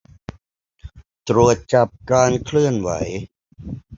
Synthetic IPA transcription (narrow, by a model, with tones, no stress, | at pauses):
t̪ɾu˨˩ət̪̚t͡ɕa˨˩p̚kaː˧nkʰlɯ˥˩ənwa̰˩˦j